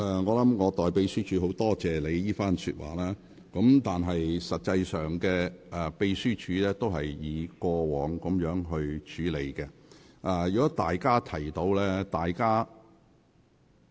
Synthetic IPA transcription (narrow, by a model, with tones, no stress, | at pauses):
ʔɛː˨˩ŋɔː˨˧lɐ˨˥mŋɔː˨˧t̪ɔː˨jpe˧jsyː˥t͡ʃʰyː˨˥ɦo˨˥wt̪ɔː˥t͡sɛː˨le˨˧jjiː˥faː˥nsy̰˧t̚wʔa̰ː˨˩laː˥ | kɐ˨˥mt̪aː˨nɦɐ˨jsɐ˨t̚t͡sɐ˧jsœː˨˩ŋkɛː˧ɛ˨˩pe˧jsyː˥t͡ʃʰyː˨˧lɛː˥t̪o˥whɐ˨jjiː˨˧kʷɔː˧wɔː˨˧ŋkʊ˨˥mjœː˨˥ŋɦɵ˧ɥt͡ʃʰyː˨˥le˨˧jkɛ˧ʔɛ˨jyː˨kɔː˨˥t̪aː˨jkaː˥t̪ʰɐ˨˩jt̪o˧wlɛː˥t̪aː˨jkaː˥